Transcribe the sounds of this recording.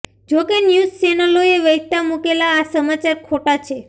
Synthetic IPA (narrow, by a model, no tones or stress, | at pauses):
d͡ʒokenjuzt͡ʃenəloeʋəɦt̪amukelaːsəmat͡ʃaɾkʰoʈat͡ʃʰe